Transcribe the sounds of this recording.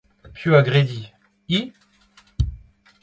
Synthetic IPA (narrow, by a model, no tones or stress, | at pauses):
pjøaɡʁed̪i | i